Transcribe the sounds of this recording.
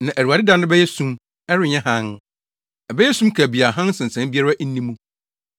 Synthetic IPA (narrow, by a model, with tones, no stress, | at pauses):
nã˨ʔæ˨u˨a˨dɪ˦dã˦nʊ̃˦bɛ˦jɛ˦sũ˦m | ɛ˦ɾɪ˨ɲɛ̃˦ɦã˦n | ɛ˨bɛ˦jɛ˦sũ˦mkʰa˨bi˨a˨ɦã˦n˦sɪ̃˨n̩˨sɛ̃˦m˦bi˦a˦ɾa˦ʔn̩˦nĩ˦mũ˦